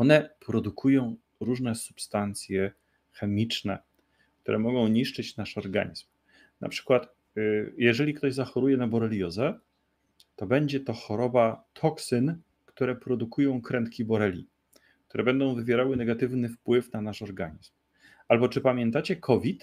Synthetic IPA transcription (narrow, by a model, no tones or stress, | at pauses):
ɔnɛpɾɔd̪ukʰujɔ̃w̃ | ɾuʐnɛsu̥pst̪ant̪sʲjɛ | xɛmʲit͡ʂnɛ̰ | k̚t̪uɾʔɛmɔɡɔ̃w̃ɲiʂt͡ʂɘt͡ɕnaʂɔɾɡa̰ɲizm | nʔa̰pʂɘ̥kwat̪ | jɛʐɛlʲikt̪ɔʑzaxɔɾujɛnabɔɾɛlʲjɔzɛ | t̪ɔbɛɲd͡ʑɛt̪ɔxɔɾɔbat̪ʰɔksɘn | kt̪uɾɛpɾɔd̪ukujɔ̃w̃kɾɛnt̪kʲibɔɾɛlʲḭ | k̚t̪uɾɛbɛnd̪ɔ̃w̃vɘvʲjɛɾawɘnɛɡat̪ɘvnɘfpwɘfnanaʂɔɾɡa̰ɲizm | albɔt͡ʂɘpamʲjɛnt̪at͡ɕɛkʰɔvʲit̪